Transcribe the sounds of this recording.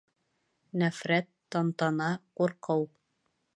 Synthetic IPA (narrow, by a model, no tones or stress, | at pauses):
næfɾæt̪ːɑnt̪ɑnɑquɾqɤw